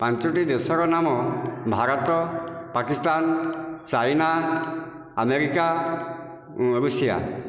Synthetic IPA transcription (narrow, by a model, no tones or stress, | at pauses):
pãnt͡ʃɔʈid̪esɔɾɔnamɔbʱaɾɔt̪ɔpakist̪ant͡ʃajna | ameɾika | ɾusija̰